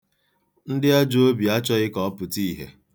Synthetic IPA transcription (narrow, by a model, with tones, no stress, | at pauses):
n̩˦dɪ˦a˦d͡ʒo˦bi˨a˦t͡ʃɔ˦ɣɪ˦kɔ˦ɔ˦pʊ˨ti˦˨ɦḛ˨